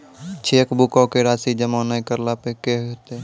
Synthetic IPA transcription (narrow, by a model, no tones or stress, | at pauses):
t͡ʃʰeːkbukɔkeɾaːsid͡ʒəmaːnaːikəɾlapekeɦot̪e